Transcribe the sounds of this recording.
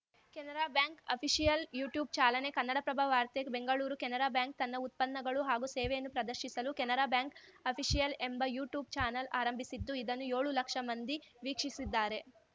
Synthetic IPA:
kɛnɐɾaːbjaːŋkɐpʰiʂijɐljuːʈjuːb̚t͡ʃaːlɐne̞kɐnːɐɽɐpɾɐbʱaʋaːɾt̪ebe̞ŋɡɐɭuːɾukɛnɐɾaːbjaːŋk̚t̪ɐnːɐut̪̚pɐnːɐɡɐɭuɦaːɡuseːʋejɐnːupɾɐd̪ɐɾʃisɐlukɛnɐɾaːbjaːŋkɐpʰiʂijɐle̞mbɐjuːʈjuːb̚t͡ʃaːnɐlaːɾɐmbʱisid̪ːuid̪ɐnːujoːɭulɐkʂɐmɐnd̪iʋiːkʂisid̪ːaːɾe̞

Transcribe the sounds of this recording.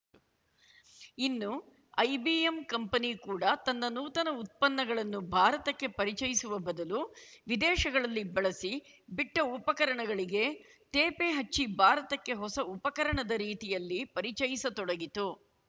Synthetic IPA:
inːu | ɐjbiemkɐmpɐnikuːɽɐt̪ɐnːɐnuːt̪ɐnɐut̪̚pɐnːɐɡɐɭɐnːubʱaːɾɐt̪ɐkːe̞pɐɾit͡ʃɐjisuʋɐbɐd̪ɐluʋid̪ɛːʃɐɡɐɭɐlːibɐɭɐsi | biʈːɐupɐkɐɾɐɳɐɡɐɭiɡe̞t̪eːpeɦɐt͡ʃːibʱaːɾɐt̪ɐkːe̞ɦɔsɐupɐkɐɾɐɳɐd̪ɐɾiːt̪ijɐlːipɐɾit͡ʃɐjisɐt̪ɔɽɐɡit̪u

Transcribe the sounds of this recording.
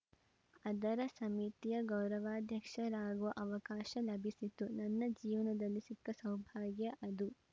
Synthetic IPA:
ɐd̪ɐɾɐsɐmit̪ijɐɡɐwɾɐʋaːd̪ʱjɐkʂɐɾaːɡuʋɐʔɐʋɐkaːʃɐlɐbʱisit̪ːunɐnːɐd͡ʒiːʋɐnɐd̪ɐlːisikːɐsɐwbʱaːɡjɐʔɐd̪u

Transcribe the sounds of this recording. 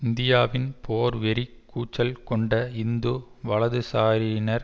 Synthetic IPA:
ɪnd̪ɪjaːʋɪnpʰoːɾʋɛɾikːuːt͡ʃːɐlkɔɳɖɐɪnd̪o | ʋɐɭɐðɯsaːɾinɐɾ

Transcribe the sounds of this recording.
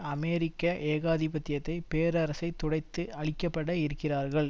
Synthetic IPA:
ɐmeːɾɪkːɐʔeːɣaːðipɐt̪ːɪjɐt̪ːɐɪpeːɾɐɾɐsɐɪt̪ːʊɽɐɪt̪ːɯɐɭɪkːɐpːɐɽɐɪɾɯkːɪraːɾɣɐɭ

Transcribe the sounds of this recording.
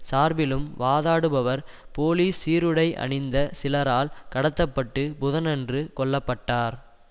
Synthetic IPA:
saːɾbɪlɯmʋaːðaːɽɯbɐʋɐɾ | poːliːsːiːɾɯɽɐɪʔɐ̰ɳɪnd̪ɐsɪlɐɾaːlkɐɽɐt̪ːɐpːɐʈːɯbʊðɐnɐndrɯkɔɭːɐpːɐʈːaːɾ

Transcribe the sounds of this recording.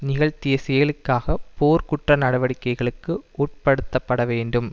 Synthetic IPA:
nɪɣɐɭt̪ɪjɐsɛjɐlɯkːaːɣɐpoːɾkʊʈrɐnɐɽɐʋɐɽɪkːɐɪɣɐɭɯkːɯʔuːʈ̚pɐɽɯt̪ːɐpːɐɽɐʋeːɳɖɯm

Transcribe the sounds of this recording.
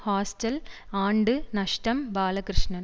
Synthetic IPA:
haːsʈɐlaːɳɖɨnɐʂʈɐmbaːlɐkɾɨʂɳɐn

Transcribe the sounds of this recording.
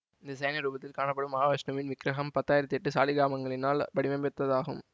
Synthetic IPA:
ɪnd̪ɐsɛjnɐɾuːbɐt̪ːɪlkaːnɐpːɐɽɯmːɐɦaːʋɐsnɐʋɪnʋɪkɾɐɣɐmpɐt̪ːaːjɪɾɐt̪ːɯɛʈːɯsaːlɪɡaːmɐŋɡɐɭɪnaːlbɐɽɪʋɐmbɛt̪ːɐðaːɣɯ̰m

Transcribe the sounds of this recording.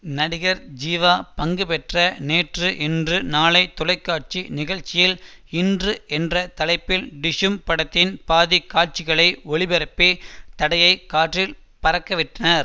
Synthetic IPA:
nɐɽɪɣɐɾd͡ʒiːʋaːpɐŋɡɯpɛʈrɐneːʈrɯʔɪndrɯnaːlɐɪt̪ːɔlɐɪkːaːʈ̚t͡ʃinɪɣɐɻt͡ʃɪjɪlɪndrɯɛndrɐt̪ɐlɐɪpːɪlɖɪʂɯmpɐɽɐt̪ːɪnpaːðikːaːʈ̚t͡ʃɪɣɐɭɐɪɔɭɪbɛɾɐpːeːt̪ɐɽɐjɐɪkaːʈrɪl | pɐɾɐkːɐʋɪʈrɐnɐɾ

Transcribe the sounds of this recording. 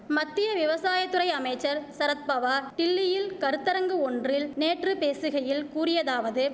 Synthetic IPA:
mɐt̪ːɪjɐʋɪʋɐsaːjɐt̪ːɯɾɐɪɐmɐɪt͡ʃːɐɾsɐɾɐt̪̚pɐʋaːʈɪlːɪjɪlkɐɾɯt̪ːɐɾɐŋɡɯɔndrɪlneːʈrɯpeːsɯɣɐjɪlkuːrɪjɐðaːʋɐðɯ

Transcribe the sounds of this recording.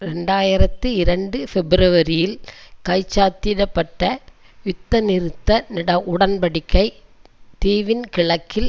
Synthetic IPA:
ɾɛɳɖaːjɪɾɐt̪ːɯɪɾɐɳɖɯfɛbɪɾɯʋɐɾɪjɪlkɐɪt͡ʃːaːt̪ɪɽɐpːɐʈːɐ | ɪt̪ːɐnɪɾɯt̪ːɐnɪɽɐʔʊɽɐnpɐɽɪkːɐɪt̪eːʋɪnkɪɭɐkːɪl

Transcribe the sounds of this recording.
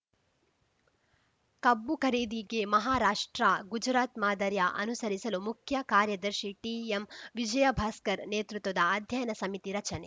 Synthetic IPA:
kɐbːukʰɐɾeːd̪iɡemɐɦaːɾaːʂʈɾaɡud͡ʒɾaːt̪maːd̪ɐɾjɐʔɐ̰nusɐɾisɐlumukʰjɐkaːɾjɐd̪ɐɾʃiʈiːemʋid͡ʒɐjɐbʱɐːskɐɾneːt̪ɾut̪ːʋɐd̪ɐːd̪ʱjɐjɐnɐsɐmit̪iɾɐt͡ʃɐne

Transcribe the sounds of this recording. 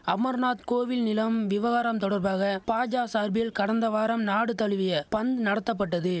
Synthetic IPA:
ɐmɐɾnaːt̪koːʋɪlnɪlɐmʋɪʋɐɣaːɾɐmt̪ɔɽɐɾbaːɣɐpaːd͡ʒaːsaːɾbɪjɪlkɐɽɐnd̪ɐʋaːɾɐmnaːɽɯt̪ɐɭɯʋɪjɐpɐnd̪nɐɽɐt̪ːɐp̬ːɐʈːɐðɯ

